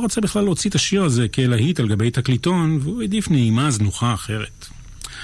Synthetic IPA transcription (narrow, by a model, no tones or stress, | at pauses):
oʁot͡sabiχlalot͡sit̪aʃiʁaze̞kelaɦitalɡabe̞jt̪aklito̞nveued̪ifneimaznuχaːχe̞ʁet